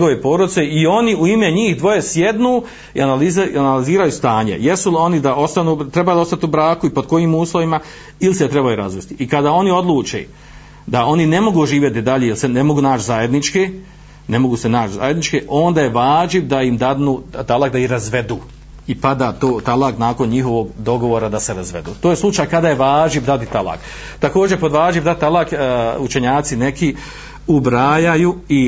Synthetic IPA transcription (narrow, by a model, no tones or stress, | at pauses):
ɲɡoʋepoːɾod̪ise̞io̞niuime̞ɲiːhd̪ʋo̞je̞sjed̪nuː | ḭanalizanaliziːɾajust̪aːɲḛjesulo̞nid̪aʔo̞st̪anuːt̪ɾe̞bajud̪o̞st̪at̪iubɾaːkuipo̞d̪ko̞jiːmuːslˠo̞ʋima | ilset̪ɾe̞bajuɾa̰zʋest̪iikad̪aːo̞nio̞d̪lˠuːt͡ʃḛː | d̪ao̞nine̞mo̞ɡuʒiːʋje̞t̪id̪aʎejelsenemo̞ɡuːnaːt͡ʃzaːje̞d̪nit͡ʃkeː | ne̞mo̞ɡuːse̞naːt͡ʃza̰ːje̞d̪nit͡ʃkeʔoːnd̪aːjeʋaːʒibd̪aimd̪ad̪nuːt̪alˠakd̪aihɾazʋe̞d̪uː | ipad̪aːt̪oːt̪alˠaknaːko̞nɲiɦo̞ʋo̞ɡd̪o̞ɡo̞ʋoːɾad̪ase̞ɾazʋe̞d̪uːt̪oːje̞slˠut͡ʃaːjkad̪aːjeʋaːʒibd̪at̪it̪ala̰k | t̪ako̞ːd͡ʒepo̞d̪ʋaːʒibd̪ad̪t̪̚t̪alˠakut͡ʃe̞ɲaːt̪sine̞ki | ubɾaːjajui